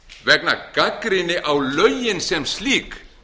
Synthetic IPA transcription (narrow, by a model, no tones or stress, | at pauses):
vɛknakakɾɪnɪʔawlœɥjɪnsɛmsliːk